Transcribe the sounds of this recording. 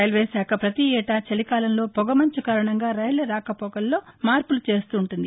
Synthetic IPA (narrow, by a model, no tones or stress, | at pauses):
ɐjɐlʋeːsaːkʰɐpɾɐt̪iɛːʈaːt͡ʃɐlikaːlɐnlo̞ːpɔɡɐmɐɲt͡ʃukaːɾɐɳɐŋɡaːɾɐjɐlɐɾaːkɐpɔɡɐlːo̞ːmaːɾpulut͡ʃe̞ːst̪uːɳʈund̪i